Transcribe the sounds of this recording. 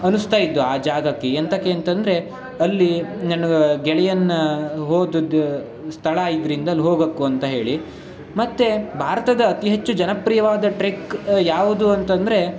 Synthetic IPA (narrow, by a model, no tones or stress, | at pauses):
ɐnust̪aːjid̪ːuaːd͡ʒaːɡɐkːeːnt̪ɐkːeɐnt̪ɐnd̪ɾe̞ | ɐlːinɐnɐɡɛɭɛjɐnːɐɦoːd̪ud̪ | st̪ʰɐɭɐaːjid̪ɐɾind̪ɐlːɦoːɡɐkːuɐnt̪ɐɦe̞ːɭi | mɐt̪ːe̞bʱaːɾɐt̪ɐd̪ɐːt̪iɦet͡ʃːud͡ʒɐnɐpɾijɐʋaːd̪ɐʈɾekjaːʋud̪uɐnt̪ɐnd̪ɐɾe̞